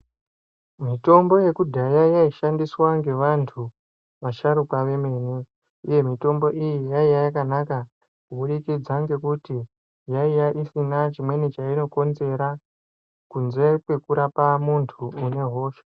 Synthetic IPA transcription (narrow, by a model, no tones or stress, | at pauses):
mito̞mbo̞je̞kudʱajajaiʃandiswaŋɡe̞ʋantʰu | ʋaʃaɾukaʋe̞me̞ːne | uje̞mito̞mbo̞ʔijijaijaakanaka | kuɓuɗikid͡zaŋɡe̞kuti | jaijaʔisinat͡ʃimwe̞net͡ʃaino̞ko̞nze̞ɾa | kunze̞kwe̞kuɾapamuntʰuːne̞ɦo̞ːʃḁ